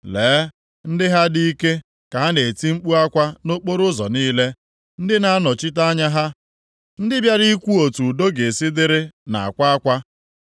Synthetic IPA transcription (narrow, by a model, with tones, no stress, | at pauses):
leː˨˦ | n̩˦dɪ˦ɦa˦di˦i˦ke˦ | ka˨ɦa˦ne˨ti˦ŋ͡m̩˦k͡pu˦a˦kʷa˦no˦k͡po˦ɾʊ˦zɔ̰˨niː˦le˦ | n̩˦dɪ˦na˦a˦nɔ˨t͡ʃɪ˦t̬a˦ɲa˦ɦa˦ | n̩˦dɪ˦bja˦ɾi˦kʷu˦o˨tu˨do˦ɡe˨sɪ˦dɪ˦ɾɪ˦na̰˨a̰˨kʷa˦a˦kʷa˦